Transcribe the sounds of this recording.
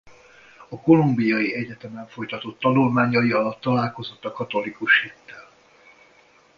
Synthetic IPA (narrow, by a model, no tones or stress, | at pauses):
ɒko̞lumbijɒjiɛɟɛt̪ɛmɛɱfo̞jt̪ɒt̪o̞t̪ːɒnulmaːɲɒjiɒlɒt̪ːɒlaːlko̞zo̞t̪ːɒkɒt̪o̞likuʃhit̪ːɛl